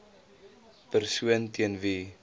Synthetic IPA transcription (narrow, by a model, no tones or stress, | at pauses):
pərsuəntiənvi